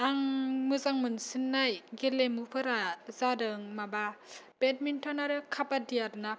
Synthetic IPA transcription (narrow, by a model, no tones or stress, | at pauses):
aŋmɯzaŋmɯnsinːajɡelemupʰɯɾazadɯŋmaba | b̥et̚mintʰanaɾɯkʰapadijaɾna